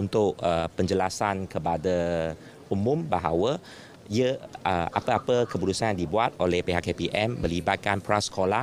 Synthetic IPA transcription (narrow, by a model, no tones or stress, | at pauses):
unt̪ʊʔəpəɲd͡ʒəlasankəpadə | umũmbaɦa̰wə | iəəʔa̰pəapəkəbuɾusanjaŋdibuat̪̚olɛhpeɦakːepiʔɛmːə̃libat̪̚kanpɾasə̥kʰola